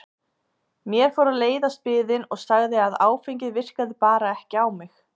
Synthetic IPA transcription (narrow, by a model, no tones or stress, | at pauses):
mjɛɾ̥fɔwɾaleːjðast̪̚pɪːðɪnɔɣsaɣðɪaðaːwfejɲcɪðvɪr̥kaðɪpaːɾaɛhcɪawmɪx